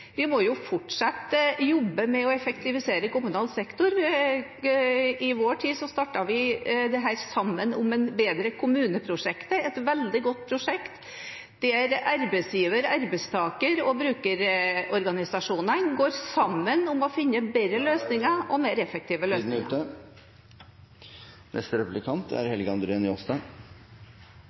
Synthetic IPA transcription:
ʋɪmɔjʊfɔʈʂɑt̪ːjɔbːəmɛɔɛfɛkt̪ʰɪʋɪseːɾəkʊmʉnɑːlsɛkt̪ʊɾ | ɪʋoːʈʰiːsɔst̪ɑːʈɑʋɪd̪ɛɦæːɾsɑmːənʊmɛnbeːd̪ɾəkʰʊmʉːnəpʰɾʊʂɛkt̪əɛt̪ʋɛld̪ɪɡɔt̪̚ːpʰɾʊʂɛkt̪ | d̪̥ɛæɾɑɾbɛsjiːʋəɾɑɾbɛst̪ʰɑːkəɾɔbɾʉːkəɾɔɾɡɑnɪsɑʂuːnənɡoːɾsɑmːənʊmɔfɪnːəbɛəløːsnɪŋɑʔɔmeːɾɛfək̚t̪ʰiːʋəløːɪʉt̪ə | nʔɛ̰st̪ɾɛplɪkʰɑnt̪ʰæ̰ɾhɛlɡɑnd̪ɾənɔsd̪ɑ

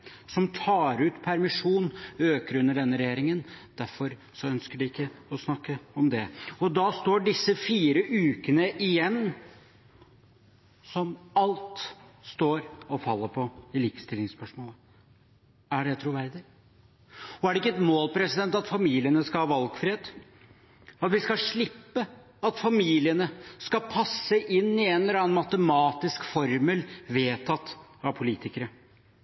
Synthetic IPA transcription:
sɔmt̪ʰɑːɾʉːt̪pʰæɾmɪʂuːnøːkəɾʉnːəɖɛnːəɾɛjeːɾɪŋənd̪̥æɾfɔɾ | sɔœnskəɖɪɪkːəɔsnɑkːəɔmd̪ɛɔd̪ɑst̪oːɖɪsːəfiːɾəʔʉːkənəʔɪjɛnː | sɔmɑlt̪st̪oːɾɔfɑlːəɾpʰɔɪliːkə̥st̪ɪlːɪŋspœʂmoːlə | æɖɛt̪ʰɾʊʋæɾd̪ɪ | ɔæɖɛɪkːəɛt̪moːlpʰɾɛsɪd̪ɛnt̪ɑt̪fɑmiːlɪənəskɑlhɑːʋɑlɡfɾeːd̪ | ɑt̪ʋɪskɑʂɭɪpːə | ɑt̪fɑmiːlɪənəskɑpʰɑsːəʔɪnːɪɛnələɾɑːənmɑt̪əmɑːt̪ɪskfɔɾməlʋeːt̪ʰɑt̪ːɑʋpʰʊliːt̪ɪkəɾə

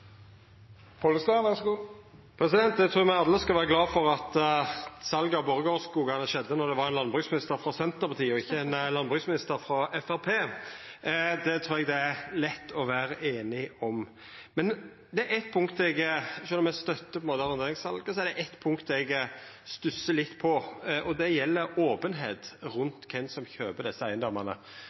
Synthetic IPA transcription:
pʰɔləst̪ænʋɛsɡuː | pʰɾɛsɪd̪ɛnt̪d̪ɛt̪ʰɾuːmɛɡɑd̪ːəskɑlʋæːʁəɡlɑːfɔʁɑt̪ | sɑlɡɑboːɾəɡoːskuːɡɑnəʃɛd̪ːənɔɾd̪ɛʋɑɾɛɪnlɑnbʁʉːsmɪnɪst̪əɾfɾɑsɛnt̪əʁpʰɑt̪ʰiːəɔɪçːəɛnlɑnbʁʉːsmɪnɪst̪əɾfɾɑɛfæɾpʰeː | d̪ɛt̪ʰɾuːɾɛɡd̪ɛælɛt̪ːɔʋæːɾəʔeːnɪɔm | mɛn | d̪ɛæʔɛt̪̚ːpʰʊŋkt̪ɛɡʃœnːɔmɛst̪œt̪ːəpʰɔɛnmoːt̪əɑɾneːɾɪŋsɑlɡəsɔɛɾd̪ɛʔɛt̪ːpʰʊŋkt̪ɛɡ | st̪ʉsːəlɪt̪ːpʰɔʔɔd̪ɛjɛlːəɾoːpənɦeːt̪ɾʉnt̪kʰɛnsɔmçøːbəd̪ɛsːəæɪənd̪ɔmːɑnə̰

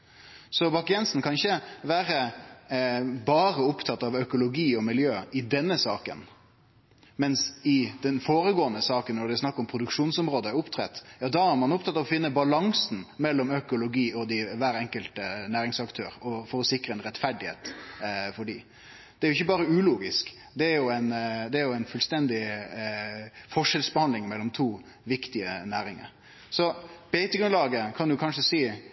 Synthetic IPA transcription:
sɔbɑkɪɛnsn̩kʰɑnɪçəʋæːɾə | bɑːɾəʊpt̪ʰɑt̪ːɑʋœkʊlʊɡiːɔmɪljøːɪd̪ɛnːəsɑːkə̰n | mɛnsɪd̪̥ɛnfoːɾəɡoːənəsɑːkənːɔɖ̪ɛsnɑkːɔmpʰɾʊd̪ʉkʂuːnsɔmɾoːd̪əæʊpt̪ʰɾɛ̰t̪ːjɑːd̪ɑæɾmɑnʊp̚t̪ʰɑt̪ːɑʋɔfɪnːəbɑlɑŋsn̩mɛlːɔmœkʊlʊɡiːɔd̪ɪʋæːɾɛŋkəlt̪ənæːɾɪŋsɑkt̪ʰøːɾɔfɔɾɔsɪkɾəɛnɾɛt̪fæɖɪhḛːt̪fɔɖiː | d̪ɛæɾjʊɪçːəbɑːɾəʉːluːɡɪsk | d̪ɛæɾjʊæɪnd̪ɛæɾjʊæɪnfʉlst̪ɛnd̪ɪ | fɔʂɛlsbəhɑnd̪lɪŋmɛlːɔmt̪ʰuː | ʋɪkt̪ɪə̰næːɾɪŋə̰ɾ | sɔb̥ɛɪt̪əɡɾʉnlɑːɡəkʰɑnd̪ʉkʰɑnʂəsiː

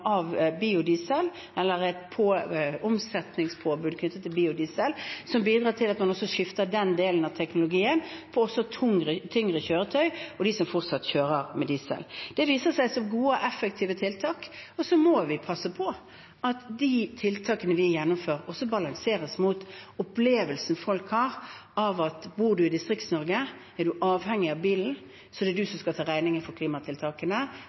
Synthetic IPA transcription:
ɑʋbiːʊd̪iːsɛl | ɛlːəɾɛt̪pʰoʊmsɛt̪nɪŋspʰoːbʉːd̪kʰnʏt̪ːət̪ːɪlbiːʊd̪iːsɛlsɔmbiːd̪ɾɑːtʈʰɪlɑt̪mɑnɔsːɔʂɪft̪əɖɛnd̪eːlənɑʋt̪ʰɛknʊlʊɡiːənpʰɔɔsɔt̪ʰʊŋɾət̪ʰʏŋʁəçøːɾət̪ʰœʏɔd̪ɪsɔmfɔʁt̪sɑt̪çøːɾəɾmɛd̪iːsɛ̰ld̪̥ɛʋiːsəsæɪsɔmɡuːəʔɛfːɛkt̪ʰiːʋət̪ʰɪlt̪ʰɑːkɔsɔmɔʋɪpʰɑsːəpʰɔ | ɑt̪d̪it̪ʰɪlt̪ʰɑːkənəʋɪjɛnːʊmføːʁɔsɔbɑlɑŋseːɾəsmuːt̪ɔpleːʋəlsn̩fɔlkhɑːʁɑʋɑt̪buːɾɖʉɪd̪ɪst̪ʁɪkt̪snɔɾɡə | ɛɖ̪ʉʔɑːʋhɛŋːɪɑʋbiːln̩ | sɔd̪ɛd̪ʉsɔmskɑt̪ʰɑːʁæɪnɪŋəfɔɾkʰliːmɑt̪ʰɪlt̪ʰɑːkənə

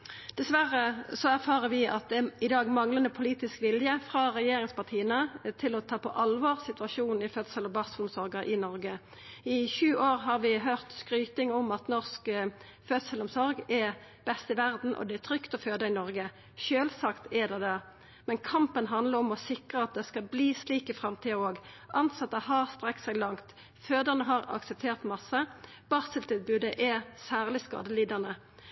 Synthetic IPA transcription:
d̪̥ɛsʋæʁəsɔæʁfɑːʁəʋɪʔɑt̪̚d̪ɛɪd̪ɑːɡmɑŋlənd̪əpʰʊliːt̪ɪskʋɪljəfʁɑːʁɛjeːɾɪŋspɑʁt̪ʰiːənət̪ʰɪlɔt̪ʰɑːpʰɔʔɑlʋɑːʁsɪt̪ʋɑʃuːnn̩ɪfœd̪səlɔbɑʁsəlʊmsɔʁɡəʔɪnɔɾɡə | ɪçʉːʔoːʁɦɑʁʋɪɦøːʁt̪skɾyːt̪ɪŋɔmɑt̪nɔʁsk | fœd̪səlʊmsɔɾɡɛ | b̥ɛst̪ɪʋæʁd̪n̩ʔɔ̰d̪ɛɛt̪ʰʁʏkt̪ɔføːd̪əɪnɔʁɡə | ʃøːlsɑkt̪ɛd̪ɛd̪ɛ | mɛnkʰɑmpənɦɑnd̪ləɔmɔsɪkʁəɑt̪̚d̪ɛskɑbliːsliːkəfʁɑmt̪ʰiːəoːɡʔɑnt̪sɑt̪ːəhɑst̪ʁɛksɛɡlɑŋt̪ | føːd̪əʁnəɦɑʁɑ̰ksəp̚t̪ʰeːʁt̪mɑsːə | b̥ɑːsəlt̪ʰɪlbʉːd̪əʔɛsæːʁlɪskɑ̰ːd̪əliːd̪əʁnə

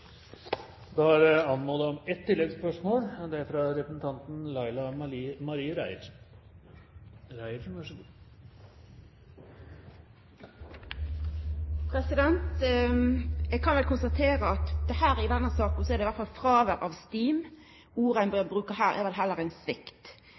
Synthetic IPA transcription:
d̪ɑæɾɑnːmɔlɑɔmɛt̪ʰːɪlːɛɡspœʂmoːɽd̪ɛæɾfɾɑɾɛpɾəsn̩t̪ʰɑnt̪n̩lɑɪlɑmɑɾiːəɾæɪəɾ | ɾæɪəɾʋæʂ | pʰɾɛsɪd̪ɛnt̪ | jɛɡ̚kʰɑnʋɛlkʊnst̪ɑt̪ʰeːɾəɑt̪d̪ɛhæːɾɪd̪ɛnːəsɑːkn̩sɔɛɾd̪ɛɪʋæɾt̪fɑlfʁɑːʋəɾʔɑʋst̪iːm | uːɾænbɛbʁʉːkəɦæːɾʔɛ̰ɾʋɛld̪ɦɛlːəɾæɪnsʋɪkt̪

